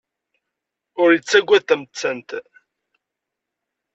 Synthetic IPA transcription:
ʊɾjət͡sːæɡʷːæðθæmət͡sːænt̪

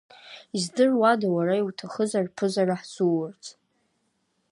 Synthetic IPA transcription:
izdɨrwadawaɾaiwtʰaχəzarpʰɨzaraħsuwʊrt͡sʰʼ

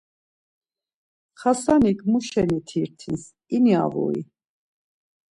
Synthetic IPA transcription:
χasanikʰmuʃɛnit̪ʰiɾt̪ʰins | inia̰vṵḭ

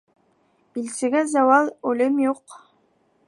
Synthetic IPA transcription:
b̥ilsɘ̆ɡæzɑwɑlˠʉlɘmjuq

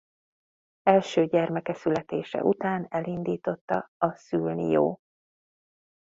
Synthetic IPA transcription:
ɛlʃøːɟɛrmɛkɛsylɛt̪eːʃɛ̰ʔut̪aːnɛlind̪iːt̪o̞t̪ːɒɒsylnḭjo̰ː

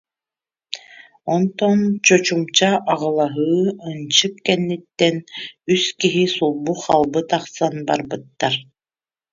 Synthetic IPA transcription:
ɔnt̪ɔnt͡ɕɔt͡ɕumt͡ɕaʔːʁɯlˠaɦɯːɯnt͡ɕɯkːɛnːit̪ːɛnyskiɦisulˠbuχalˠbɯt̪aqsanba̰ɾbɯt̪ːaɾ

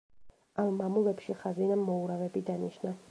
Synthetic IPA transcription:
amːamulɛpʃiχazinamːɔuɾavɛbid̪aniʃna

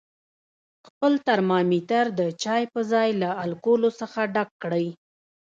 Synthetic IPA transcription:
xpəlt̪aɾmɑmit̪aɾd̪ət͡ʃɑjpəzɑjlaalkolosəxaɖakːɽəj

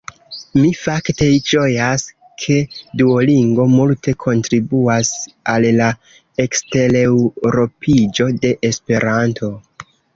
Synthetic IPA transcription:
mifakte̞t͡ʃo̞jas | kʰe̞duoliŋɡo̞multʰe̞kʰo̞ntɾibuas | alːa | e̞kste̞lewɾo̞pʰid͡ʒo̞de̞ʔespe̞ɾantʰo̞

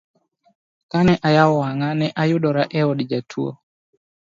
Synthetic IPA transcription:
kanɛʔajaɔwaŋanɛʔajʊdɔɾaʔɛɔdd͡ʒatʰuo̰

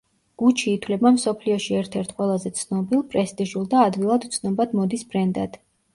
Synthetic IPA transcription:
ɡ̥ut͡ʃʰiːt̪ʰwlɛbamsɔpʰliɔʃiɛɾt̪ʰɛɾt̪ʰqʼwɛlˠazɛt̪sʰnɔbilˠpʼɾɛst̪ʼiʒulˠd̪aːd̪vilˠad̪ut̪sʰnɔbad̪mɔd̪isbɾɛnd̪ad̪̥

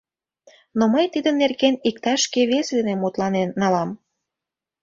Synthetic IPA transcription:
noməjt̪id̪ənːerɣenik̚t̪ɑʃkeβesd̪enemut̪lɑnenːɑlɑm

